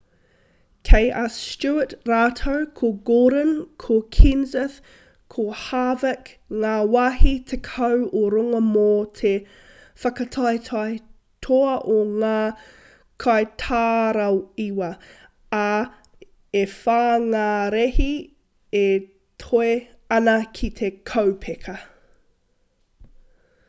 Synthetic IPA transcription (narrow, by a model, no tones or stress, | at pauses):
kʰejʔɐst͡ʃuətɾaːtʰowkʰoɡoːɾənkʰokʰinzəθ | kʰohaːvəkŋaːwaɦitʰekʰɐwoɾoŋɐmoːtʰe | fɐkɐtʰɑjtʰɑj | tʰoɐʔoŋaː | kʰɑjtʰaːɾɐwiwɐ | a | efaːŋaːɾehi | e | tʰoe | ɐnɐkʰit̪ʰekʰɐwpʰekʰɐ